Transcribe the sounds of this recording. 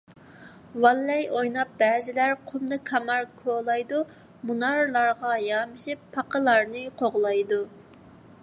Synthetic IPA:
wɑlːɛjojnɑp̚bɛːzɪlæɾqʰʊmd̪ɨkʰɑmɑɾkʰolˠɑjd̪u | munɑɾlˠɑɾʁɑjɑːmɨʃipʰːɑqʰəlˠɑɾnɨqʰoʁlˠɑjd̪u

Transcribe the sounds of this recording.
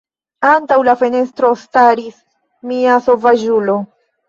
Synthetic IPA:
antawlafe̞ne̞stɾo̞staɾis | miaso̞vad͡ʒulo̞

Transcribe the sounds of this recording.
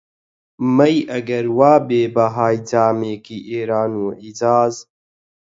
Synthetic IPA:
mɐjʔɐɡɐɾwaːbeːbɐɦaːjt͡saːmeːkiːʔeːɾaːnuːʕid͡zaːz

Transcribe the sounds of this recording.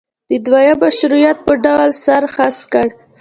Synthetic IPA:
d̪̥əd̪wajabaʃɾujɑt̪̚pəɖawlsaɾxaskəɽ

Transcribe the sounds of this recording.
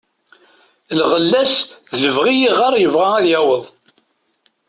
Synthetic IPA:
lʁəlːæsðzəvʁijiʁɑɾˤjəvʁææðjæwəðˤ

